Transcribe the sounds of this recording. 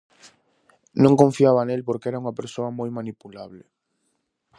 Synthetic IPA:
nõŋkõɱfiaβanelpoɾkeɛɾauŋɐpeɾsoɐmojmanipulaβlɪ

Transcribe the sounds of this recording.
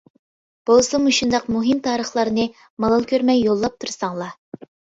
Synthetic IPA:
b̥olˠsɨmuʃund̪ɑqmuɦɨmt̪ʰɑːɾəχlˠɑɾnɨ | mɑlˠɑlˠkʲʰøɾmɛjːolˠːɑp̚t̪ʰuɾsɑŋlˠɑ

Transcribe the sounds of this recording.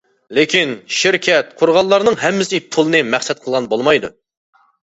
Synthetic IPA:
lɪkʲʰinʃɪɾkʲɛt̪̚qʰʊɾʁɑlˠːɑɾnɨŋɦɛmːɪsɪpʰulˠɨnɨmæχsɛt̪̚qʰəlˠʁɑnbolˠmɑjd̪ṵ

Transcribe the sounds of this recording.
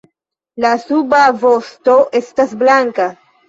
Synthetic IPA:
lasubavosto̞ʔe̞stasblaŋka

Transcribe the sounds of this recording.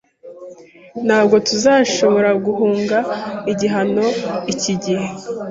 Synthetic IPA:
nhaːb̚ɡo̞tuzaːʃo̞βo̞ɾaɡuɦuːŋɡaiɟiɦano̞iciɟihe̞

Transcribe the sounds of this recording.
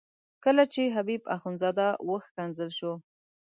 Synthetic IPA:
kəlat͡ʃeɦabiba̰xunzɑd̪awʔəxkanzəlʃo

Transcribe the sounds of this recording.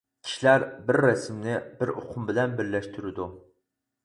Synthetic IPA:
kʲʰi̥ʃilæɾbɪɾːɛsɪmnɪbɪɾoqʰʊmbɪlɛnbɪɾlɛʃt̪ʰyɾɪd̪u

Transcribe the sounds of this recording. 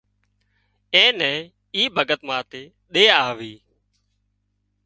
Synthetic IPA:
ẽːnɛ̃ː | iːbʱəɡət̪mãːt̪eː | ɗeːaːʋiː

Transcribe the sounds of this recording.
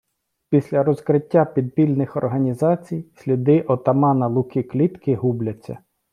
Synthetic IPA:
pʲisʲlʲɐɾɔzkɾɪtʲːapʲid̪̚pʲilʲnɪxɔ̰rɦɐnʲizɑt͡sʲijsʲlʲid̪ɪʔɔt̪ɐmɑnɐlˠʊkɪklʲit̪kɪɦublʲɐt͡sʲːɐ̰

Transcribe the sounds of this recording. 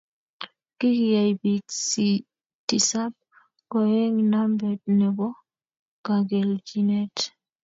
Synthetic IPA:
kikijajbisi | tisab̚ | kɔjɛŋnambɛt̚nɛbɔ | ɡ̥aɡɛld͡ʒinɛt

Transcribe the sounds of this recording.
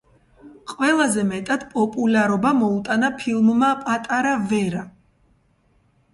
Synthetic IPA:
qʼwɛlˠazɛmɛt̪ʼad̪̥pʼɔpʼulaɾɔbamɔut̪ʼanapʰilˠmmapʼat̪ʼaɾavɛɾa

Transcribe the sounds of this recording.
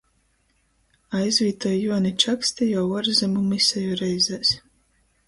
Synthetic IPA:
ajzʲvʲiːt̪ɔjjuɔnit͡ʃaksʲt̪ʲijawɔɾzʲɛmumisɛjuɾɛjzʲæsʲ

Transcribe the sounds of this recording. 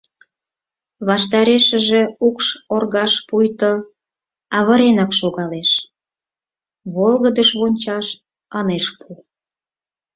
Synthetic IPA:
βɑʃt̪ɑɾeʃə̆ʒe̽ukʃorɣɑʃpujt̪o | ɑβə̆ɾenɑkʃoɣɑleʃ | βolɣəd̪əʃβonʲt͡ɕɑʃ | ɑneʃpʰu

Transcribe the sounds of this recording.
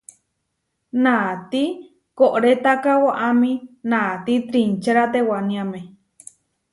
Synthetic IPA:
nat̪i | koʔɾet̪akawoʔamĩnat̪it̪ɾint͡ʃeɾat̪ewanĩamẽ

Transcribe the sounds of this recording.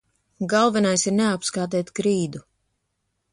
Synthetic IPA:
ɡalˠvɛnajsiɾneapskaːt̪ɛːt̪kɾiːd̪u

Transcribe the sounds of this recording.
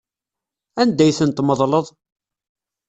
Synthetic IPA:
ænd̪æjθənt̪məðˤləðˤ

